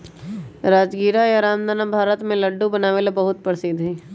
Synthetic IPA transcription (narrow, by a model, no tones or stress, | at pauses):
ɾaːd͡ʒɡiːɾajaɾaːmd̪anabʱaːɾət̪mẽləɖːubɐnaːʋelebɐɦʊt̪̚pəɾsiːd̪ɦɛː